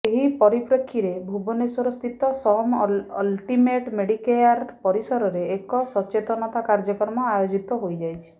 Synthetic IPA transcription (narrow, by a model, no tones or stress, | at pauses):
eɦipɔɾipɾɔkʰːiɾebʱubɔneswɔɾɔst̪ʰit̪ɔsɔmɔ̰lʈimeʈmeɽikejaɾpɔɾisɔɾɔɾeːkɔsɔt͡ʃet̪ɔnɔt̪akaɾd͡ʒɔkɔɾmɔajod͡ʒit̪ɔɦojd͡ʒajt͡ʃʰi̥